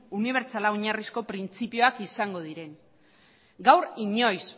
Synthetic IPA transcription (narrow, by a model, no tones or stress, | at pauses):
uniβ̞e̞ɾt͡salaoɲarisko̞pɾint͡sipio̞akisaŋɡo̞ð̞iɾe̞n | ɡawɾiɲo̞js